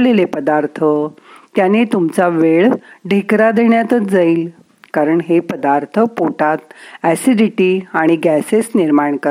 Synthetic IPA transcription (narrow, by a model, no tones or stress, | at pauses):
lelepəd̪aɾt̪ʰət̪janet̪umt͡saʋeɭɖʱekɾad̪eɳjat̪ət͡sd͡zaiːl | kaɾəɳɦepəd̪aɾt̪ʰəpoʈat̪æsiɖiʈiaɽ̃iɡæsesniɾmaɳkəɾ